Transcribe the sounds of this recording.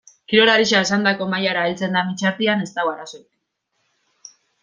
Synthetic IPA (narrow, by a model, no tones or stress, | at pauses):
kiɾo̞ɾaɾiʃaesand̪ako̞majaɾaelt͡se̞nd̪amit͡ʃaɾt̪iane̞st̪awaɾaso̞et̪i